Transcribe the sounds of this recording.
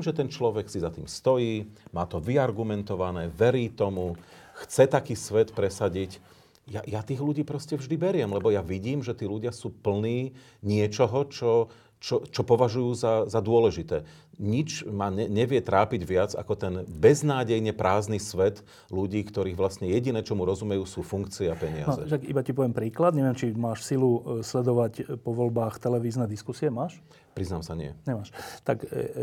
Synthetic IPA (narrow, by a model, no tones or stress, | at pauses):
mʒɛt̪ɛnt͡ʃlɔʋɛksizat̪iːmst̪ɔjiːmaːt̪ɔʋiaɾɡumɛnt̪ɔʋanɛːʋɛɾiːt̪ɔmuxt͡sɛt̪akiːsʋɛt̪pɾɛsaɟic | ja̰jat̪iːɣluɟiːpɾɔscɛvʒd̪ibɛɾɪɛmlɛbɔjaʋiɟiːmʒɛt̪iːluɟɪasuːpl̩niː | ɲɪɛt͡ʃɔɦɔt͡ʃɔ | t͡ʃɔt͡ʃɔpɔʋaʒujuːzazad̪ʊɔlɛʒit̪ɛː | ɲit͡ʃmaːɲɛɲɛʋɪɛt̪ɾaːpiɟʋɪad͡za̰kɔt̪ɛnbɛznaːɟɛjɲɛpɾʔaːznisʋɛt̪ | luɟiːkt̪ɔɾiːɣʋlasɲɛjɛɟinɛːt͡ʃɔmuɾɔzumɛjuːsuːfuŋkt͡siɛapɛɲɪa̰nɔzɛʃakḭbacipɔʋɛmpɾiːklad̪ɲɛʋɪɛmt͡ʃimaːʃsiluslɛd̪ɔʋacpɔʋɔlbaːxt̪ɛlɛʋiːznɛd̪iskusiɛmaːʃ | pɾiznaːmsaɲɪɛ̰ɲɛmaːʃt̪ak